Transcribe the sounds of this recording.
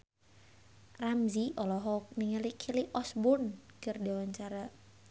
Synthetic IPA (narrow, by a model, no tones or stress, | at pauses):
ramziʔɔlɔɦɔk̚niŋəlikʰiliʔɔsbʊnkɨrdiwaɲt͡ʃaɾa